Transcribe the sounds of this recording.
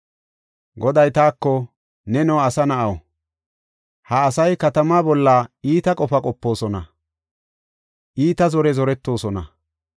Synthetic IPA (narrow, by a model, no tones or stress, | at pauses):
ɡɔd̪ɐjt̪aːkːɔ | nɛnɔwɐsɐnɐʔɐw | hɐːsɐjkɐt̪ɐmaːbɔlːaiːt̪ɐkʼɔfɐkʼɔpːo̞ːsɔnɐ | ʔiːt̪ɐzɔɾɛzɔɾɛt̪ːo̞ːsɔnɐ̰